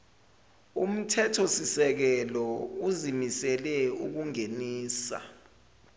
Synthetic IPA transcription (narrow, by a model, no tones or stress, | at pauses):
um̩tʰɛtʰɔsisɛk̬ɛlɔuzimisɛlɛuk̬uŋeniːsa̰